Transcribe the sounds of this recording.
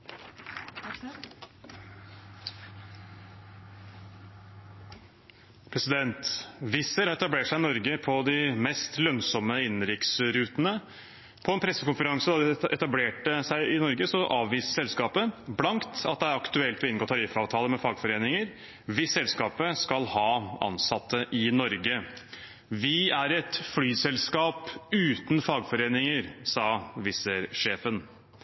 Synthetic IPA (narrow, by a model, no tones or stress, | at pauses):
pʰɾɛsɪd̪ɛnt̪ʋɪsəɾhɑɾɛt̪ɑbleːʈʂæɪɪnɔɾɡəpʰɔd̪ɪmɛst̪lœnsɔməɪnːɾɪksɾʉːt̪ənə | pʰɔɛnpʰɾɛsːəkʊnfəɾɑŋsəd̪ɑd̪ɛɛt̪ɑbleːʈəsæɪʔɪnɔɾɡəsɔʔɑːʋʋiːsəsɛlskɑːpəblɑŋkt̪ɑ̰t̪̚d̪ɛæɾɑkt̪ʉɛlt̪ʋɪɪnɡoːt̪ʰɑɾɪːfɑːʋt̪ʰɑːləmɛfɑːɡfɔɾeːnɪŋəɾ | ʋɪsɛlskɑːpəskɑlhɑːɑ̰nsɑt̪ʰːəʔɪnɔɾɡə | ʋɪæɾɛt̪flyːsɛlskɑːpʉːt̪n̩fɑːɡfɔɾeːnɪŋəɾsɑːʋɪsəɾʂeːfən